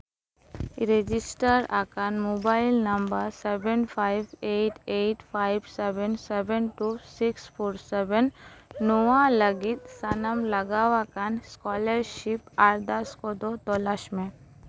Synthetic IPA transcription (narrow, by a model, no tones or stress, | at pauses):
ɾed͡ʒɪsʈəɾa̰kanmobaːɪlnɐmbəɾsebənpʰaɪbeːʈʰeːʈfʰaːɪbsɛbənsɛbənʈusɪkspʰoːɾsɛbənːoãləɡɪt̪sɐnəmlɐɡaːʋakanskɔːləɾʃɪpaɾd̪ɐskod̪ot̪olaʃmẽ